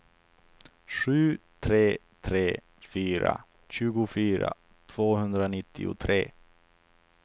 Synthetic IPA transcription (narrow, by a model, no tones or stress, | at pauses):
ɧʉ̟ːt̪ʰɾeː | t̪ʰɾeː | fyːɾa̰ | ɕʉ̟ːɡʊfyːɾa̰ | t̪ʰv̥oːɦɵnd̪ɾanɪt̪ʰːɪ̰ʊ̰t̪ʰɾḛː